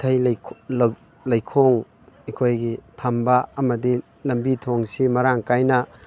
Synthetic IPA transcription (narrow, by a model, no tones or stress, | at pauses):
tʰɐjlʰl | lɐjkʰoŋ | ikʰojɡitʰambɐɐmɐdi | lɐmbitʰoŋsimɐɾaŋkajnɐ